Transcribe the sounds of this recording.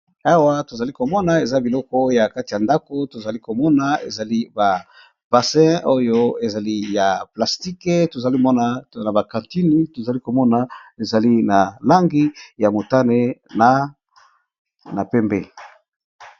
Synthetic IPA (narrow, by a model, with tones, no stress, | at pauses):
a˦wa˦to˨za˨li˦ko˨mɔ˦na˨e˨za˦bi˨lɔ˦kɔ˦ja˨ka˦ti˨ja˨nda˦ko˦to˨za˨li˦ko˨mɔ˦na˨ḛ˨za˨li˦ba˨ | b̥a˨sɛ̃˦o˦jo˦e˨za˨li˦ja˨pla˨sti˦ke˦to˨za˨li˦mɔ˦na˨na˨ba˨kã˨nti˦ni˦to˨za˨li˦ko˨mɔ˦na˨e˨za˨li˦na˨la˦ŋɡi˦ja˨mo˨ta˦ne˦na˨ | na˨pɛ˦mbe˦